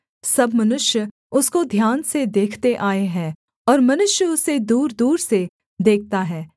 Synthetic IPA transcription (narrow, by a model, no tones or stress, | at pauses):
sɐbmɐnʊʃjə | ʊskod̪ʱjaːnsed̪eːkʰt̪eʔaːeɦɛ̃ː | ɔːɾmɐnʊʃjəʊsed̪uːɾd̪uːɾse | d̪eːk̚ʰt̪aɦɛː